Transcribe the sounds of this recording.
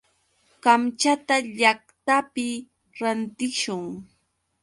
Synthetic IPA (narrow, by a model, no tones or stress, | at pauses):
kamt͡ʃat̪aʎakt̪apɪ | ɾant̪ɪʃʊŋ